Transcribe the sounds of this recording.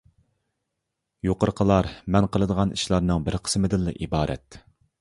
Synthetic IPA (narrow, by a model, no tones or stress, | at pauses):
joqəɾqʰəlˠɑɾmɛnqʰəlˠɨd̪əʁɑniʃlˠɑɾnɨŋbɪɾqʰə̥smɨd̪ɪlːɨʔibɑːɾʔɛ̰t̪